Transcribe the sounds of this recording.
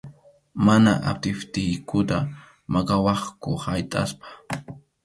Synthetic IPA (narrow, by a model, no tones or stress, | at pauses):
manaʔat̪ɪft̪ɪjkʊt̪a | mɑkɑwɑχkʊhajt̪ʼaspḁ